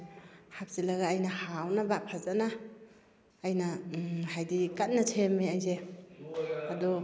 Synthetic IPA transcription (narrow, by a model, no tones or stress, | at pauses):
hap̚zilaɡaːjnahawnabapʰazana | jnahajdikat̚natʰemːeajze | adɔ